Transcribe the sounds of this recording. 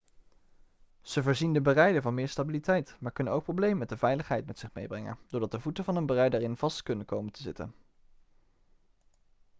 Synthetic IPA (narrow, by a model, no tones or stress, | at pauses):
z̥əvəːɹzindəbərɛjdəvɑnmɪːɹstabilitɛjtmaːɹkɵnənowk̚prowblejməmɛt̚dəvɛjləχɦɛjtmɛtsɪχmejbrɛŋə̰nd̥ʊːɹdɑt̚dəvutəvɑnənbərɛjdaːrɪnv̥ɑstkɵnənkowməntʰəzɪtə̰n